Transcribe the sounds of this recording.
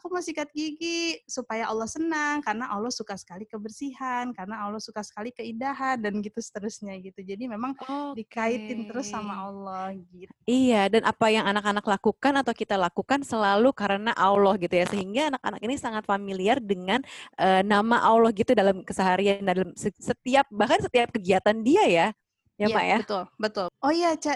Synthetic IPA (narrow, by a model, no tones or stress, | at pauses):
akumasikat̪̚ɡiɡisupajaʔɔlːɔhsənaŋkaɾənaʔɔlɔhsukasə̥kalikəbərsiɦankaɾənalɔhsukasə̥kalikəidaɦandanɡit̪usə̥t̪əɾusɲaɡit̪ud͡ʒadimemaŋdikait̪ɪnt̪əɾusːamaɔlːɔhɡit̪ijadanʔapajaŋanakanaklakukanat̪awkit̪alakukansəlalukaɾənaʔawlɔhɡit̪ujasəɦiŋɡaːnaka̰nakinisaŋat̪familiardəŋanʔənamaʔawlɔhɡit̪udalamkəsəɦaɾiandalamsəsət̪iap̚bahkansət̪iap̚kəɡiat̪andiaja | jama̰jat̪ʊlbət̪ʊlʔɔjat͡ʃa